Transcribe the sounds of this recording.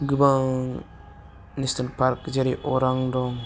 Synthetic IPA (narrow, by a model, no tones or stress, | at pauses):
ɡɯbaŋ | nistanpaɾkd͡ʒaɾiʔɔɾaŋdɔŋ